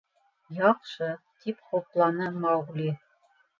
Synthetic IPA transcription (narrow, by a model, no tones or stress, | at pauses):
jɑqʃɤ | t̪ipχŏplˠɑnɤmɑwʁlʲi